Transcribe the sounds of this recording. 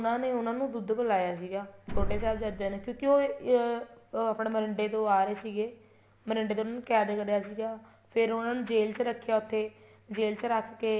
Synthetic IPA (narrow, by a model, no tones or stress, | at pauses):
ʊnãːneːʊnãːnũːd̪ʊd̪bəlaːjaːsiːɡaːt͡ʃʰoːʈeːsaːld͡ʒad͡ʒeːneːkjõːkɪoː | aːpneːməɾɪɳɖeːt̪õːaːɾeːsiːɡeː | məɾɪɳɖeːt̪oːnãːnũːkɛːd̪kəɽjaːsiːɡaː | pʰɪɾʊnãːnũːd͡ʒeːlt͡ʃɾəkʰːɪjaːʊt̪ʰːeː | d͡ʒeːlt͡ʃɾəkʰkeː